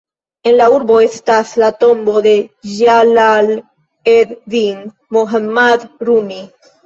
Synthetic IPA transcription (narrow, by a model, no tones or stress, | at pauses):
enlauɾboest̪aslat̪o̞mbo̞ðe̞ʒalal | ed̪diŋ | moɦamad̪ɾumi